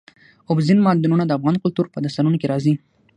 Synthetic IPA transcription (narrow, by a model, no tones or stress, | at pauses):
ʊbzinmɑd̪ununad̪əafɣɑnkʊlt̪uɾpəd̪ast̪aɾunokeɾɑzi